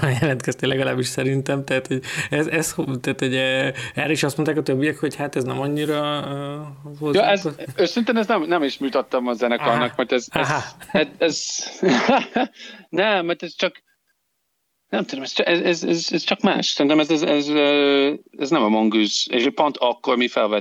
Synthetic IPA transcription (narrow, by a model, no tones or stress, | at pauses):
jɛlɛnt̪kɛst̪elɛɡɒla̰ːbiʃsɛɾint̪ɛmt̪ɛɦat̪hoɟɛzɛsht̪aːt̪hoɟɛːɾɛiʃɒst̪mot̪aːkɒt̪øbːijɛkho̞chat̪ɛznɛmɒɲːiɾɒ | voljɛzøsint̪ɛnɛznɛmnɛmiʃmuːt̪ɒt̪ːɒmɒzɛnɛkɔnːɒkmuɾt̪ɛzzɦaɛt̪ɛz | nɛmːɛɾt̪ɛzt͡ʃɒk | nɛmt̪ud̪omɛst͡ʃʔɛzɛzɛzɛzt͡ʃɒkma̰ːʃsɛɾint̪ɛmɛzɛzɛzø | ɛznɛmɛmoŋɡyzeʃpont̪ɒkːormifɛlvɛt̪